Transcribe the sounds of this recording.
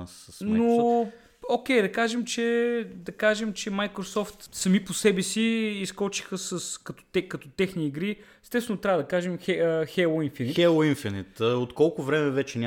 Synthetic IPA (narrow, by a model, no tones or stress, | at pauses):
sɐsno | okʲɛjd̪ɐkaʒɛmt͡ʃɛd̪ɐkaʒɛmt͡ʃɛmajkɾosɔft̪sɐmiposɛbɛsiːskɔt͡ʃi̥xəsɐskɐt̪ɔ̥t̪ɛkɐt̪ɔt̪ɛxniːɡɾi | ɛst̪ɛsvɛnot̪ɾʲavəd̪ɐkaʒɛmxɛəxɛlˠoinfinitɛlˠoinfinɛt̪əot̪kɔlˠkʊvɾɛmɛvɛt͡ʃɛnʲa